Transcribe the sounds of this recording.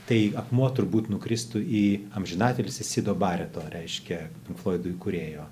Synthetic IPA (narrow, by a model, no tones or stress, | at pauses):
t̪ɐɪɐpmuɔt̪ʊɾbuːt̪nʊkɾʲɪst̪ʊiːɐmʲʒʲɪnɑːt̪ʲelʲɪsʲɪsʲɪd̪oːbɑːɾʲɛt̪oːɾʲɛɪʃʲkʲɛpʲɪŋkflˠoːɪd̪ʊjkʊɾʲeːjoː